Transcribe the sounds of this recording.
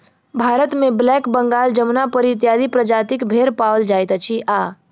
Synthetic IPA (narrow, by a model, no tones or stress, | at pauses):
bʱaːɾət̪mẽblɛːkbə̃ŋɡaːld͡ʒəmnapəɾit̪̬jaːd̪ipɾəd͡ʒaːt̪ɪkbʱeːɾpawəld͡ʒaːjt̪t͡ʃʰiʔaː